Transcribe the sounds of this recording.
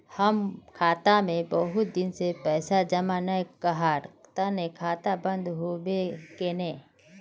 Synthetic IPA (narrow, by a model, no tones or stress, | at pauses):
hɐmkʰaːt̪amẽbəɦʊt̪̚d̪ɪnsepɛːsad͡ʒɐmaːnajkɐɦaːɾt̪anekʰaːt̪abə̃nd̪ɦobekenẽː